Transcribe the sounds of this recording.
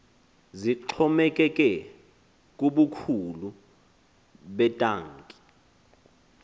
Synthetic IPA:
ziǃʰɔmɛkʼɛkʼɛ | kʼuɓukʰulu | ɓɛtʼaːŋkʼi̥

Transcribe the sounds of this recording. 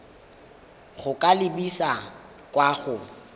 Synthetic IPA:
ɣʊkʼalɪbisa | kʼwaɣʊ

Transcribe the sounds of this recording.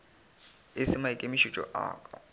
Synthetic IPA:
ɪsɪmaɪkʼemɪʃit͡ʃʼɔ̰ʔa̰ːkʼɔ

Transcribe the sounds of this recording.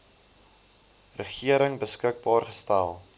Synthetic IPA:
rəχiəɾəŋbəskək̚bɑːrχəstælˠ

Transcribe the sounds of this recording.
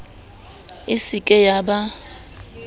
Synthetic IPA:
ɪsikʼɛjaba

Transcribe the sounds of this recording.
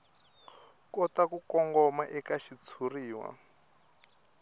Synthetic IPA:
kɔtakukɔŋɡɔmaʔɛkaʃit͡sʰuriːwa̰

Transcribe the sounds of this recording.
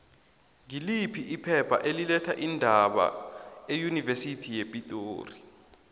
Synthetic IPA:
ŋilipʰiʔipʰɛpʰa̰ʔelilɛtʰaʔindʱaɓa̰ejunivesitʰijepʼitʼoːri

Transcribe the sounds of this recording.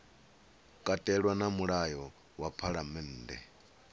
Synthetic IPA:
kʼatʼɛɺwanamuɺajɔ | wapʰaɺamɛn̩ːdɛ̰

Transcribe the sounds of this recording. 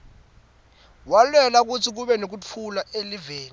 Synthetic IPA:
walwɛlak̬ut͡sʰik̬uɓɛnok̬ut͡fʰulaʔeliveːni

